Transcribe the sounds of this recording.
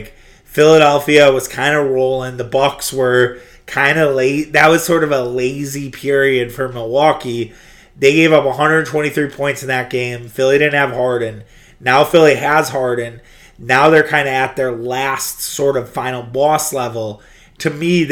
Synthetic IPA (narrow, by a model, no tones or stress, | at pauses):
k | fɪlˠəɾɛlˠfiɨwʌz̥kʰãɪ̃ndəɹoʊlˠɪ̃ŋðəbʌkswə˞ | kʰãɪ̃ndəleɪðɨt̚wʌz̥sɔɹɾʌvəleɪzipʰɪɹiɨd̥fə˞məwɑki | ðeɪɡeɪvʌpəɦʌ̃ndɹə˞dⁿn̩tʰw̥ɛ̃ɾ̃iθɹipʰɔ̃ɪ̃ntsn̩ðɨt̚ɡ̥ẽɪ̃mfɪlˠiɾɪdⁿn̩ɨv̥hɑɹdⁿn̩ | naʊfɪlˠiəz̥hɑɹdⁿn̩ | naʊðə˞kʰãɪ̃ndɨːt̪̚ðə˞læstsɔɹɾʌv̥fãɪ̃nl̩ˠbɔslɛvl̩ˠ | tʰɨmi